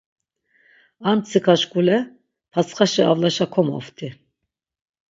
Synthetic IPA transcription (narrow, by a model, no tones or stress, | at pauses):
ant͡sʰikʰaʃkʼulɛ | pʰat͡sχaʃɛavlaʃakʰɔmɔ̰ft̪ʰʼi